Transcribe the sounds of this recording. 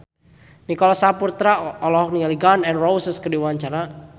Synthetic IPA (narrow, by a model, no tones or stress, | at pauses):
nikɔlɔsapurt̪ɾaɔlɔɦɔk̚nialiɡanɛnrowsəskədiwaɲt͡ʃaɾa